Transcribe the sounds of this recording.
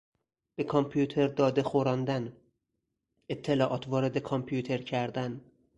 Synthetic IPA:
b̥e̞kʰɒmpʰjut̪ʰe̞ɾd̪ɒːd̪e̞xoɾɒːnd̪æn | et̪ʰːe̞lɒːʔɒːt̪ʰvɒːɾe̞d̪e̞kʰɒmpʰjut̪ʰe̞ɾcʰæɾd̪æn

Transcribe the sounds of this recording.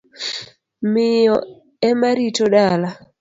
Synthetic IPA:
mɪjɔ | ɛmaɾitoɗala

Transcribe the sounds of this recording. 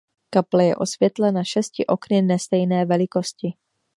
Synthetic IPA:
kaplɛjɛ̰ʔo̞svjɛt̪lɛnaʃɛscɪʔo̞knɪnɛst̪ɛjnɛːvɛlɪko̞scɪ

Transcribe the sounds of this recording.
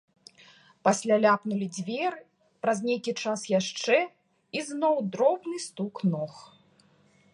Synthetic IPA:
pasʲlʲalʲapnulʲid͡zʲvʲɛr | pɾɐzʲnʲejkʲit͡ʂasjaʂt͡ʂɛ | iznɔwd̪ɾɔbnɨst̪uknɔx

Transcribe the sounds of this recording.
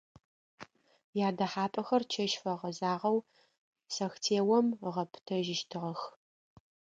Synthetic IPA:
jaːdɐħaːpʼɐxɐrt͡ʃʰɐʃfɐʁɐzaːʁɐw | sɐxtʰeːwɐmʁɐpʰtʰɐʒɪʃtʰɨʁɐx

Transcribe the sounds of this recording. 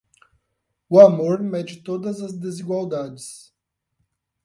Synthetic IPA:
ʊamoɾmɛd͡ʒɪt̪od̪ɐzɐzd̪eziɡwawd̪ad͡ʒɪs

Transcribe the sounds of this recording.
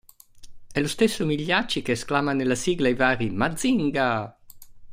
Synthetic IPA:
ɛlust̪esːomiʎːat͡ʃːikeːsklamanelasiɡlaivaːɾimad̪ziŋɡa

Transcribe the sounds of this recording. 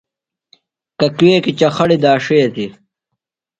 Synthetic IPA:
kɐkweːkit͡ɕɐxɐɽid̪aːʂejt̪i

